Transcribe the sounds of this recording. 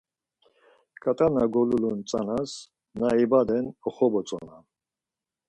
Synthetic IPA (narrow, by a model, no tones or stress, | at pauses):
kʼat̪ʼanaɡɔlulunt͡sʼanas | naibad̪ɛnɔχɔbɔt͡sʼɔ̰na̰